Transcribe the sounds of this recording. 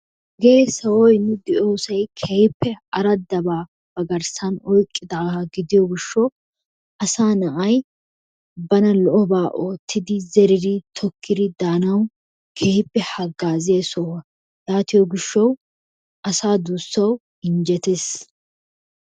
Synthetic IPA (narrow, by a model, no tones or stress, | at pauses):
ɡɛesɐwɔjnːɛd̪ɪʔoːsɐjkʰɛjɪpːɛɐɾɐd̪ɐbaː | b̥ɐɡɐɾsɐnɔjkʼːɪd̪aːɐɡɪd̪ɪjɔɡɪʃːɔ | ʔɐsaːnɐʔɐj | bɐnɐlɔʔɔbaːʔo̞ːt̪ːɪd̪ɪzɛɾɪɾɪt̪ʰɔkʰːɪɾɪd̪aːnɐw | kʰɛjɪpːɛhɐɡːaːzeːsɔwɐ | laːt̪ɪjɔɡɪʃːɐw | ɐsaːd̪uːsːɐw | ɪnd͡ʒɛt̪es